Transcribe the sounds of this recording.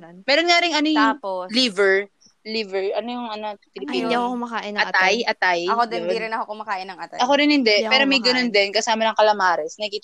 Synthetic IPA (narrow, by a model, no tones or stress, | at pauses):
mɛːɾonŋaɾɪŋʔɐnojʊŋlivɛɹ | livɛɹʔɐnojʊŋʔɐnot̪ɪlpiikkʊmɐkaːʔɪnɐt̪ajʔɐt̪ajɐkod̪ɛɾɪnɐhokʊmɐkaːʔɪnɐŋʔɐt̪aʔɐkoɾɪnhɪnd̪ɛpɛːɾomɐjɡɐnond̪ɛnkɐsaːmɐnɐŋkɐlɐmaːɾɛsnɐkiːt̪